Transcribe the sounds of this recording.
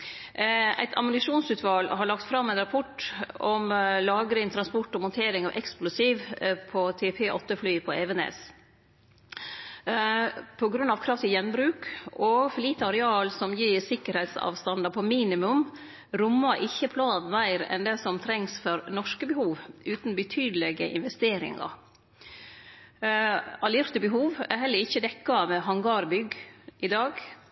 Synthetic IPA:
æ̰ɪt̪ʰɑ̰mʊnɪʂuːnsʉːt̪ʋɑlhɑɭɑkt̪fɾɑmːæɪnɾɑpʰɔʈɔmlɑːɡəɾɪnt̪ʰɾɑnspɔʈːɔmɔnt̪ʰeːɾɪŋɑʋʔɛ̰ksplʊsiːʋpʰɔt̪ʰeːpʰeːʔɔt̪ːəflyːpʰɔeʋənḛːs | pʰɔɡɾʉnːɑʋkʰɾɑft̪ɪjɛnːbɾʉːkɔfɔliːt̪əɑɾɛɑːlsɔmjiːɾsɪkːəɾhɛɪt̪sɑ̰ːʋst̪ɑnd̪ɑpʰɔmiːnɪmʉm | ɾʊmːɑʔɪçːəpʰlɑːd̪mæɪɾɛ̰nd̪ɛsɔmt̪ʰɾɛŋsfɔɾnɔʂkəbəhuːʋʉːt̪nbət̪ʰyːd̪lɛɡəʔɪ̰nʋɛst̪eːɾɪ̰ŋɑ̰ɾ | ɑliɾt̪əbəɦuːʋæ̰ɦɛlːəɾɪçːəd̪ɛkːɑmɛɦɑŋɡɑɾbʏɡʔɪd̪ɑːɡ

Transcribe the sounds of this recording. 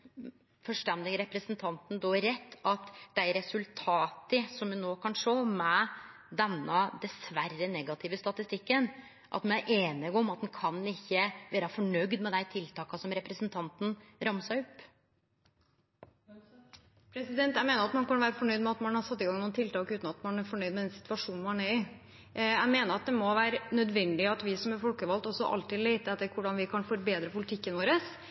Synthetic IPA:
fɔʂʈɛnd̪ɪɾɛpɾəsənt̪ʰɑnt̪nd̪ɔːæɾːɛt̪ːɑt̪d̪æɪɾɛsʉlt̪ʰɑːt̪əsɔmʋʉnoːkʰɑnʂoːmɛ | d̪ɛnːəd̪ɛsʋærːənɛɡɑt̪ʰɪʋəst̪ɑt̪ɪst̪ɪkːən | ʔɑ̰t̪mɛnæɾʔeːnɪɡɔmɑt̪̚d̪ɛnkʰɑnːɪçːəʋeːɾɑfɔɳœɡd̪mɛd̪æɪt̪ʰɪlt̪ʰɑːkɑsɔmɾɛpɾəsənt̪ʰɑnt̪n̩ɾɑmsæʊpː | pʰɾɛsɪd̪ɛnt̪æɪmeːnəɾɑt̪mɑnkɑnʋæːɾəfɔɳœʏd̪mɛɑt̪mɑnhɑɾsɑt̪ːɪɡɑŋnuːənt̪ɪlt̪ɑːkʉːt̪nɑt̪mɑnæɾfɔɳœʏd̪mɛd̪ɛnsɪ̥t̪ʋɑʂuːnmhɑnɛɾɪ | æɪmeːnəɾɑt̪̚d̪ɛmɔʋæːɾənœd̪ʋɛnd̪ɪɑt̪ʋɪsɔmɛɾfɔlkəʋɑlt̪ɔsɔʔɑ̰lt̪ɪːd̪leɪt̪əɛt̪ːəɾkʊɖɑnʋɪkʰɑnfɔɾbeːd̪ɾəpʊlɪt̪ʰɪkːənʋoːɾəs

